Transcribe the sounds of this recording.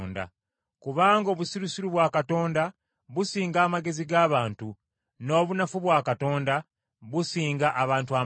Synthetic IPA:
nda̰ | kuβaːŋɡo̞ːβusiɾusiɾuβwaːkato̞ːnda | βusiːŋɡaːmaɡe̞ziɡaːβaːntu | no̞ːβunafuβwaːkato̞ːnda | βusiːŋɡaʔaβaːntua

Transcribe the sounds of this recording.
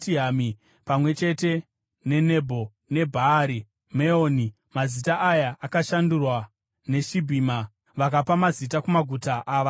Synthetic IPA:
tiɦami | pamwe̞t͡ʃe̞te̞ | ne̞ne̞bʱo̞ | ne̞bʱaɾi | meoːni | mazitaʔajaʔakaʃandurwa | ne̞ʃibʱiːma | ʋakapamazit̬akumaɡʱutaʔaːʋa

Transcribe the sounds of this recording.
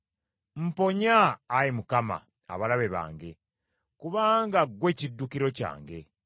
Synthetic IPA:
m̩po̞ɲaːjimukama̰ː | βalaβeβa̰ːŋɡe̞ | kuβaːŋɡaɡwe̞cidːukiɾo̞ca̰ːŋɡe̞̰

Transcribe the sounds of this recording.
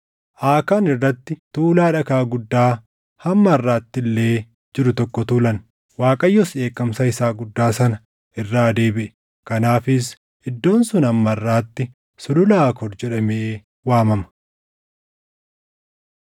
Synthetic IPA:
ʔaːkaːnɪrːɐt̪ːɪt̪uːlaːᶑɐkaːɡʊd̪ːaː | hɐmːɐɪrːaːt̪ːɪlːe̞ː | d͡ʒɪɾʊt̪ɔkːɔt̪uːlɐn | waːkʼɐjːɔsᶑe̞ːkːɐmsɐɪsaːɡʊd̪ːaːsɐnɐ | ʔɪrːaːd̪e̞ːbɪʔɛ̥ | kɐnaːfɪs̬ | ɪd̪ːo̞ːnsʊnɐmːɐrːaːt̪ːɪ | sʊlʊlaːkɔɾd͡ʒɛᶑɐmeː | waːmɐmɐ̥

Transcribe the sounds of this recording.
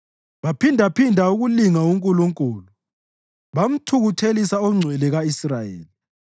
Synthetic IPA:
βapʰindʱapʰindʱauɣuliŋauŋkʼuluŋkʼuːlu | βam̩tʰuɣutʰelisaɔŋ͡ǀʱwɛlɛɣaisrajḛːli

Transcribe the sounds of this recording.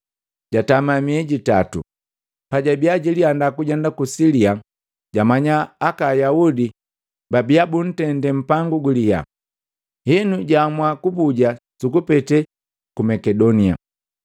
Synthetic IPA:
ɟatamamiɛɟitatṵ | paɟabiaɟiliandakuɟɛndakusilia | ɟamaɲaːkajaudi | babiabun̩tɛndɛm̩paŋɡuɡuliha̰ | hɛnuɟamwakubuɟasukupɛtɛ | kumɛkɛdɔnia̰

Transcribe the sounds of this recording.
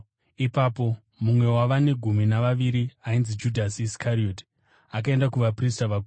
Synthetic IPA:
ipaːpo̞ | mumwe̞waʋane̞ɡʱuminaʋaʋiɾiainzid͡ʒudʱasiskʰaɾio̞ti̥ | ak̬ae̞ndakuʋapristaʋaɡʱu

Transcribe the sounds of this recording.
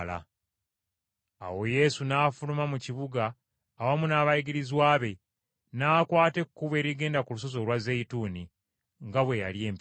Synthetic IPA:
la̰ | a̰wo̞je̞sunaːfulumamuciβuɡaː | wamunaːβajiɡiɾizwaːβe̞ | naːkwaːte̞kkːuβe̞ːɾiɡe̞ːndakulus̬o̞zo̞lwazeituːni | ŋɡaβwe̞jalje̞ːmp

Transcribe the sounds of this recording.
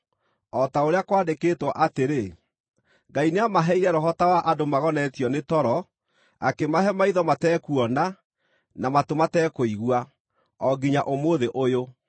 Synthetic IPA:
ɔtaoɾeakwaːndekeːtwɔʔateɾe | ŋɡaineamaɦɛiɾɛɾɔɦɔtawaʔadomaɣɔnɛtjɔnetɔɾɔ | a̰kemaɦɛmaiðɔmatɛːkuɔna | namatomatɛːkoiɣwa | ɔɡiɲaʔomoðeʔojo

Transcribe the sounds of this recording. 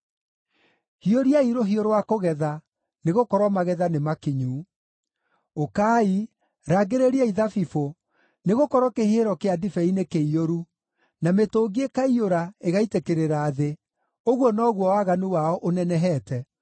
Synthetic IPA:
hioɾiaiɾoɦioɾowakoɣɛða | neɣokɔɾwɔmaɣɛðanemakiɲuː | okaːi | ɾaɡeɾeɾiaiðafifo | neɣokɔɾɔkeheɾɔkeadifɛinekeioɾu | nametoːɡiekaioɾaeɣaitekeɾeɾaːðe | oɣwɔnɔɣwɔwaɣanuwaɔʔonɛnɛɦɛːtɛ

